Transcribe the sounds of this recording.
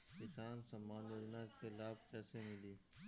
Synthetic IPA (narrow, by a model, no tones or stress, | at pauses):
kɪsaːnsɐmːaːnoɾnakɪlaːb̚kɛːsemɪ̃nd̪iː